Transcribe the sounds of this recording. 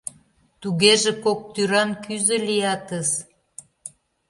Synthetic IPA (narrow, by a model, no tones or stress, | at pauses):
t̪uɣeʒĕkok̚t̪yɾɑnkyzə̆lijɑt̪əs